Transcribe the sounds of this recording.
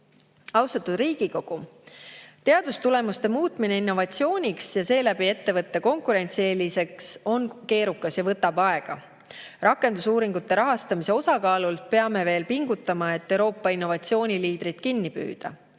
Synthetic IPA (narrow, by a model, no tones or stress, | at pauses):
ɑwst̪ɑt̪ːˑud̪̥riːɡ̥iko̞ɡ̥u | t̪e̞ɑd̪̥ust̪ule̞must̪e̞muːt̪ˑmine̞inːo̞vɑt̪sio̞ːnʲiksjɑse̞ːlæbie̞t̪ːe̞vɤt̪ːe̞ko̞ŋkuɾe̞nʲt̪sieːlise̞kso̞nke̞ːɾukːˑɑsjɑvɤt̪ːˑɑbɑe̞ɡ̥ɑ̰ | rʔɑkːˑe̞nd̪usuːɾiŋɡ̥ut̪ːe̞ɾɑɦɑst̪ɑmise̞o̞sɑkɑːlult̪̚pe̞ɑme̞ve̞ːlpiŋɡ̥ut̪ːˑɑmɑe̞t̪ːewɾo̞ːpːɑinːo̞vɑt̪sio̞ːnʲiliːd̪̥ɾit̪kinːipy̰ːd̪̥ɑ̰